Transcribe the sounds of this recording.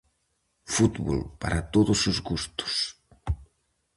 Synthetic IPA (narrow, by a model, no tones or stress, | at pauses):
fut̪βo̰lpaɾat̪oðʊsuzɣust̪ʊ̥s